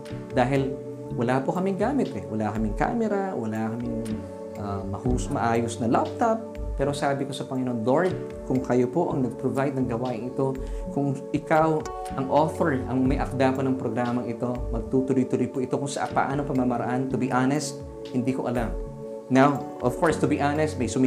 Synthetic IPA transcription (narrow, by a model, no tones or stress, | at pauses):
d̪aːɦɪl | wɐlapokɐmɪŋɡaːmɪt̪ɛwɐlakɐmɪŋka̰ːmɛɾɐwɐlakɐmɪŋ | ʔamɐhusmɐʔaːjosnɐlap̚t̪ap | pːɛːɾo̞saːbɪko̞sɐpɐŋɪnond̪oɹt̪̚ | kʊŋkɐjopoʔɐŋnɐɡ̚pɾovajd̪̚nɐŋɡɐwaːʔɪŋɪt̪o̞kʊŋʔɪkaw | ʔɐŋʔoːθoɹʔɐŋmɐjʔɐk̚d̪aponɐŋpɾoɡɾaːmɐŋɪt̪o̞mɐɡ̚t̪ut̪ʊlʊjt̪ʊlojpoʔɪt̪o̞kʊŋsɐʔa̰pɐ̰ʔa̰ːnoŋpɐmamɐɾɐ̰ʔant̪ʊbiʔanɛst̪̚ | hɪnd̪iːkoʔɐlam | nawʔofkʰoɹst̪ʊbiʔanɛst̪̚mɐjsʊm